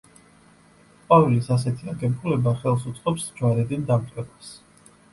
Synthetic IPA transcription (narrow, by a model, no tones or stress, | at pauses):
qʼavilisas̬ɛt̪ʰiaɡɛmpʰulɛbaχɛlˠsut̪sʼqʼɔpsd͡ʒwaɾɛd̪ind̪amt̪ʼʰɛbas